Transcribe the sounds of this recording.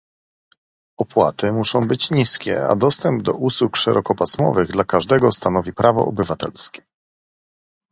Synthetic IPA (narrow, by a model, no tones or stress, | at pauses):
ɔpwa̰t̪ɘmuʂɔ̃w̃bɘt͡ɕɲiskʲɛ̰a̰d̪ɔst̪ɛmb̚d̪ɔʔuswukʂɛɾʔɔkɔpasmɔ̰vɘɣd̪lakaʐd̪ɛɡɔst̪anɔvʲipɾʔavɔ̰ɔ̰bɘvat̪ɛ̰lskʲɛ̥